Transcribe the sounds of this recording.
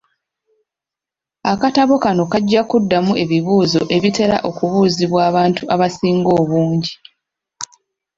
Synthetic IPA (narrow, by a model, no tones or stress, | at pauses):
akataβo̞kano̞kaɟːakudːamuʔe̞βiβuːzo̞ʔe̞βite̞ɾa̰ʔo̞kuβuːziβwaːβaːntuʔaβasiːŋɡo̞ːβuːɲɟi